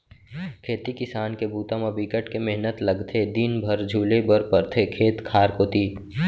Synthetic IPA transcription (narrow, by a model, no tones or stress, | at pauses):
kʰeːt̪ikɪsaːnkebuːt̪ãmãbikəʈkemɛɦnət̪lɐɡt̪ʰed̪inbʱɐɾd͡ʒʱuːlebəɾpɐɾt̪ʰekʰeːt̪kʰaːɾkoːt̪iː